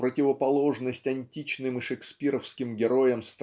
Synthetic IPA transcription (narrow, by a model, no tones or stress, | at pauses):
pɾətʲɪvəpɐlˠo̞ʐnəsʲtʲɐnʲtʲit͡ɕnɨmɨʂɨksʲpʲiɾəfskʲɪmɡʲɪɾo̞jəmst̪